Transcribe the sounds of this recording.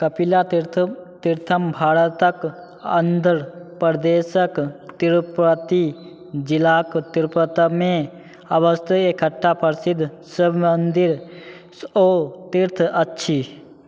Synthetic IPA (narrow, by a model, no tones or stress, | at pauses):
kəpilaɾt̪iɾt̪ʰəmbʱaːɾət̪ək | ənd̪ʱəɾpɾd̪eːsəkt̪iɾpɾət̪i | d͡ʒilaːkt̪iɾpɾət̪əmẽ | ɐbəst̪ʰəekʰəʈʰːapəɾsɪd̪ʱː | səbʱmənd̪iɾ | oːt̪iɾt̪ʰɐtːʃʰi